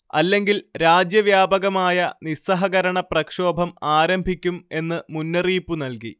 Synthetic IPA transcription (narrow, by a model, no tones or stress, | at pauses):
ɐlːe̞ŋɡilɾaːd͡ʑjɐʋjaːbɐɣɐmaːjɐnisɐɦɐɣɐɾɐɳɐprɐkʂo̞ːbʱɐmaːɾɐmbʱikʲːume̞nːɨmunːɐriːpːunɐlki